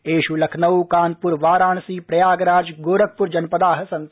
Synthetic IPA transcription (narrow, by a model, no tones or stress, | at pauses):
eːʃulɐkʰnɐwkaːnpuɾʋaːɾaːnsiːpɾɐjaːɡɾaːd͡ʒɡoːɾɐk̚ʰpuɾd͡ʒɐnpɐd̪aːɦɐ̆sɐ̃n